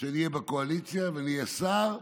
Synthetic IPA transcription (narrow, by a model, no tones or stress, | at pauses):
ʃenijebakoalit͡sijavenijesaʁ